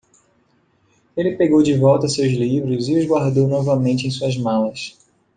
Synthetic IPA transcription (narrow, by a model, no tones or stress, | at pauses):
elɪpeɡowd͡ʒɪvɔwt̪ɐsewzlivɾʊzɪʊzɡwaɾd̪ownɔvɐmẽnt͡ʃɪẽj̃suɐzmalɐs